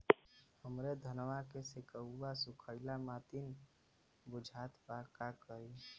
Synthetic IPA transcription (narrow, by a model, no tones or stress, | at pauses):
həmɾed̪ʱənʋakesɪkəwːasʊkʰəɪlamat̪in | bʊd͡ʒʱat̪pakakəɾi